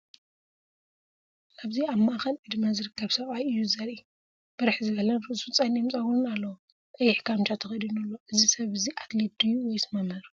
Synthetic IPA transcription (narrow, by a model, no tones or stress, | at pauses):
ʔaβziamːaʔaxɐnʕɨd̪mazɨɾɨkːɐβsɐβʼajɨjːuzɐɾi | b̥ɨɾɨħzɨβɐlɐnɾɨʔsut͡sʼanimt͡sʼawunɨnalːɐw | ʔʼɐjɪħkʰamt͡ʃʰat̪ʰɐxɐd̪inɐlːoʔɨzisɐβɨziʔat̪led̪ɨjːuwɔjsmɐmɐɾu